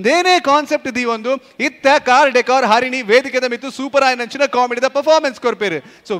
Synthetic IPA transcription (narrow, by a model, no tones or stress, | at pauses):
nd̪eːneːkaːnsep̚ʈd̪iʋond̪uit̪ːɐkaːɾɖekaːɾɦaːɾiniʋeːd̪ʱiked̪ɐmit̪ːusuːpɐɾaːjnɐnt͡ʃinɐkaːmiʈid̪ɐpɐɾpʰaːɾmenskoɾpeːɾsoː